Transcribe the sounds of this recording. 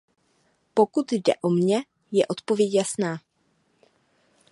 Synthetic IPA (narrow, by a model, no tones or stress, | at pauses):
po̞kut̪jdɛ̰ʔo̞mɲɛ | jɛʔo̞t̪po̞vjɛcjasnaː